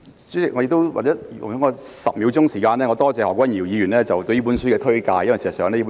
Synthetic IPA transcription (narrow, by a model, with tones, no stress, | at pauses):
t͡sy˨˥ɪ˨kŋ˨˧jɪ˧kt̪o˥wwa̰˨t͡sɛː˨˥jʊ̰˨˩ŋhɔː˨˥ŋɔ˧sɐ˨p̚mi˨˧wt͡sʊ˥ŋsiː˨˩kaː˧nlɛː˥ŋɔː˨˧t̪ɔː˥t͡sɛː˨˧hɔː˨kʷːwɐ˥njiː˨˩wjiː˨˧jyː˨˩nlɛː˥t͡sɐ˨wt̪ɵ˧jiː˥puː˨˥nsyː˥kɛː˧t̪ʰɵ˥ɥkaː˧jɐ˥mɐ˨˩si˨˩sɐ˨˩sœː˨˧ŋlɛː˥iː˥pːu˧˦